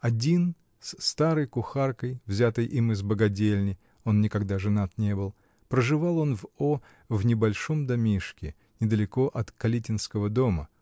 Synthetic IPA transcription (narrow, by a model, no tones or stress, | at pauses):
ɐdʲin | sst̪aɾəjkʊxarkəjvzʲat̪əjʔimɨzbəɡɐdʲelʲnʲɪj | o̞nnʲɪkɐɡd̪aʐɨnat̪nʲe̞bɨlˠ | pɾəʐɨvalˠo̞nvo | vnʲɪbɐlʲʂo̞md̪ɐmʲiʂkʲɪ | nʲɪd̪əlʲɪko̞ʔɐt̪kɐlʲitʲɪnskəvəd̪o̞mə̰